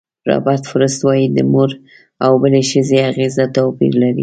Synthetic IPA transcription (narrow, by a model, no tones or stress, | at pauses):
ɾɑ̰baɾt̪fʊɾəst̪wɑjid̪əmoɾ | awbəleʃəzeaɣezat̪apḭɾlaɾḭ